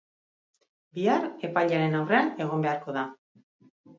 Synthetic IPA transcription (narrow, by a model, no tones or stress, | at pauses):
biare̞pajʎaɾe̞nawre̞ane̞ɣ̞o̞mbe̞aɾko̞ða